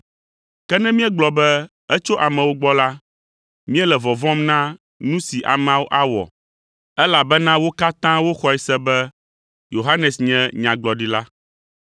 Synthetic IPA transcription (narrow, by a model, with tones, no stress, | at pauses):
kɛ˦nɛ̃˦mĩ˦ɛ˦ɡ͡blɔ˨bɛ˦ | ɛ˦t͡ʃo˦ʔa˨mɛ̃˨wo˦ɡ͡bɔ˦la˦ | mĩ˦ɛ˦lɛ˨vɔ˨vɔ̃˦mnã˦ | nũ˦si˨ʔa̰˨m˨ã˦wo˦ʔa˦wɔ̰˨ | ɛ˦la˨bɛ˦nã˦wo˦ka˦t̪ã˦wo˦xɔ˨ɛ˨sɛ˦bɛ˦ | jo˨ɦa˦nɛ˨sɲɛ̃˦ɲã˨ɡ͡blɔ˨ɖi˦la˦